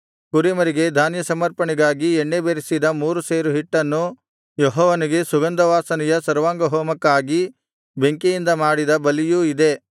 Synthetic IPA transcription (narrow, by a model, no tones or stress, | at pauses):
kuɾimɐɾiɡe̞d̪ʱaːnjɐsɐmɐɾpɐɳiɡaːɡieɳːebeːɾisid̪ɐmuːɾuseːɾuɦiʈːɐnːu | jɔɦɔːʋɐniɡe̞suɡɐnd̪ɐʋaːsɐnɛjɐsɐɾʋaːŋɡɐɦɔːmɐkːaːɡi | be̞ŋkejind̪ɐmaːɽid̪ɐbɐlijuid̪e̞